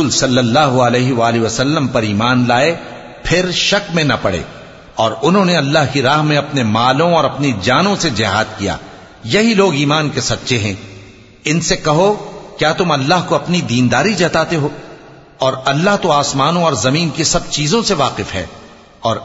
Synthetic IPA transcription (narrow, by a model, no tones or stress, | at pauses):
lsɐlːɐlːaːɦuɐlɛːɦiʋaːliʋɐsɐlːəmpɐɾiːmaːnlaːe | pʰɪɾʃɐkmẽnɐpɐɽ̤ḛː | ɔːɾʊnɦõːneɐlːaːɦkiɾaːɦmẽɐpnemaːlõɔːɾɐpnid͡ʒaːnõsed͡ʒɪɦaːd̪kija̰ː | jɐɦiloːɡiːmaːnkesɐt̪ːʃʰeɦɛ̃ː | ɪnsekɐɦokjaːt̪ʊmɐlːaːɦkoɐpnid̪iːnd̪aːɾid͡ʒɐːt̪aːt̪eɦoː | ɔːɾɐlːaɦt̪oaːsmaːnõɔːɾzɐmiːnkisɐb̚t͡ʃiːzõseʋaːqɪfɦɛ̰ː | ɔːɾ